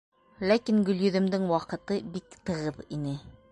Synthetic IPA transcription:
lækiŋɡɵ̆ljɵ̆ðɘ̆md̪ɘŋwɑqɤ̆t̪ɤbikt̪ɤ̆ʁɤðinɘ

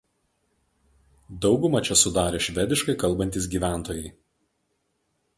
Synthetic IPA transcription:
d̪ɒʊɡʊmɐt͡ʃʲɛsʊd̪ɑːɾʲeːʃʲʋʲɛd̪ʲɪʃkɐɪkɐlˠˑbɐnʲt̪ʲiːs̬ɡʲiːʋʲæˑnˑt̪oːjɛɪ

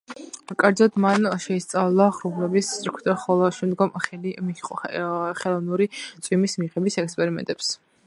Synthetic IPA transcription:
kʼaɾd̪zɔd̪manʃɛist̪sʼavlˠaχɾuvlɛbisːʼɾkʰd̪ɔχɔlˠɔʃɛmd̪ɡɔmχɛlimiɔχɛlˠɔnuɾit̪sʼwimismiʁɛbisɛkspʼɛɾimɛ̰nt̪ʼɛps

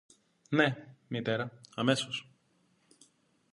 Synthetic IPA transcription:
nemit̪e̞ɾɐɐmesos

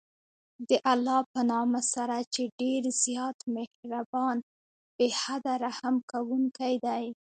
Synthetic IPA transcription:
d̪əʔalːɑpənɑmasaɾat͡ʃeɖeɾzjɑt̪mehɾabɑn | b̥ehad̪aɾahamkawuŋkajd̪aj

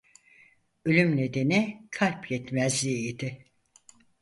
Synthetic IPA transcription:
ølʲymne̞d̪e̞nikʰalʲpjɛt̪mɛzlʲiːd̪ɪ

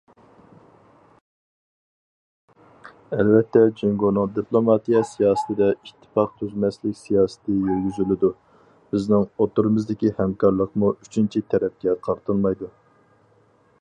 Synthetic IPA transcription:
ɛlvɛt̪ʰːɛd͡ʒeŋɡonɨŋd̪iplˠomɑt̪ijɑsijɑːsə̥t̪ʰɪd̪ɛiʃt̪ʰːɨ̥pɑqt̪ʰyzmɛslɪkʲsijɑːsɨ̥t̪ɨjøɾɡʲyzylɪd̪u | b̥ɪznɪŋot̪uɾɨmɨzd̪ɪkʲihɛmkʰɑɾlˠəqmuy̥t͡ʃʰynt͡ʃʰit̪ʰɛɾɛp̚ɡʲɛqʰɑɾt̪ʰɨlˠmɑjd̪u

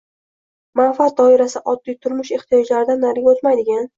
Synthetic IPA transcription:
manfat̪̚d̪ɒɪɾasɪʔɒd̪ːijt̪ʰʊɾmʊʃe̞χt̪ʰijɒd͡ʒlaɾɪd̪anːaɾɡʲaot̪majd̪ɪɡʲan

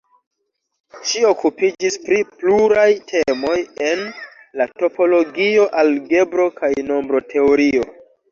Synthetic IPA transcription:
ʃio̞kupid͡ʒispɾipluɾajtʰe̞mo̞je̞n | lato̞po̞lo̞ɡio̞ʔalɡe̞bɾo̞kajno̞mbɾo̞tʰe̞oɾio̞

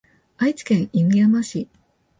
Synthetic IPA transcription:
ait͡sɨ̥kẽ̞ɰ̃imiamaɕi

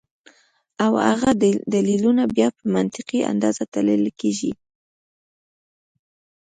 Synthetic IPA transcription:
awa̰ɣad̪d̪alilunabjɑpəmant̪ɪqia̰nd̪ɑzat̪aləlkeʒi

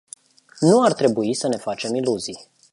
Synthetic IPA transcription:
nuart̪ɾe̞buisəne̞fat͡ʃe̞miluzij

